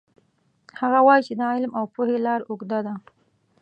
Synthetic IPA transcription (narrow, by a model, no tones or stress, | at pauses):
haɣawɑjt͡ʃed̪ɑɪlmawpuhelɑɾʊɡd̪ad̪a